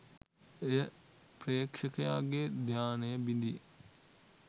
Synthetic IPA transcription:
ejə | pɾeːkʂəkɐjaːɡed̪ʱjaːnəjəbind̪ijə̰

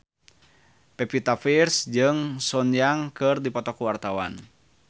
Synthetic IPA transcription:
pɛpit̪afirsd͡ʒɨŋsɔɲjaŋkɨrdipɔt̪ɔkuwart̪awa̰n

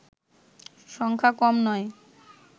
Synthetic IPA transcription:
ʃɔŋkʰakɔmnɔe

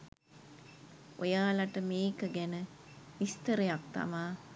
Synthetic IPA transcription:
ojaːlaʈəmeːkəɡænə | ʋist̪əɾəjak̚t̪a̰maː

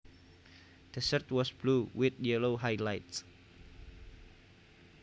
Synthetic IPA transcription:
d̪̥əsərt̪wɔsb̥luwɪθjɛloɦajlajts

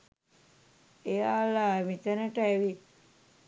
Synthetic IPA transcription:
ejaːlamit̪ənəʈəæʋi

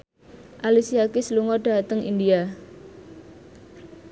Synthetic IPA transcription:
ʔalisiakisəluŋɔɖ̥a̤t̪əŋʔḭndia

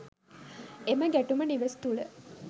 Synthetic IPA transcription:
eməɡæʈuməniʋest̪uɭə

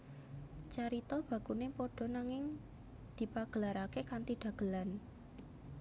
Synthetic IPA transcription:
t͡ʃaɾit̪ɔb̥ä̤kunepɔɖ̥ɔ̤naŋɪŋ | d̪̥i̤paɡ̥əlaɾakekant̪iɖ̥ä̤ɡ̥ə̤lan

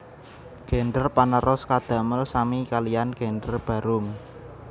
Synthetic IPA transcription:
ɡ̥endərpanəɾɔskad̪̥a̤məlsamikalijanɡ̥e̤ndərb̥ä̤ɾʊm

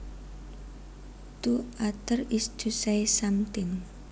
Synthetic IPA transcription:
t̪uat̪ərisd̪̥usajsamt̪ɪn

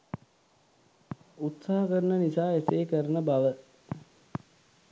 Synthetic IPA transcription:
ut̪saːɦɐkəɾənənisaːesejːkəɾənəbaʋə

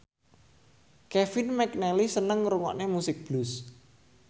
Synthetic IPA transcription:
kɛfɪnmɛknɛlisənəŋɾuŋɔ̰ʔnemusɪk̚b̥lus

